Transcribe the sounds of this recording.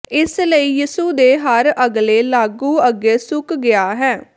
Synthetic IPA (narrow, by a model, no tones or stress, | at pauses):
ɪsləiːjiːsuːd̪eːɦəɾəɡleːlaːɡũːəɡeːsʊkɡɪaːɦɛː